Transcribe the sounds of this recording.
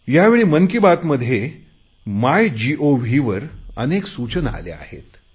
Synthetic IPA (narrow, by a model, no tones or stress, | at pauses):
jaʋeɭiːməŋkibat̪məd̪ʱːje | majd͡ʑiʔoʋʱiʋəɾə̰neksut͡ɕənəa̰lḛa̰hḛt̪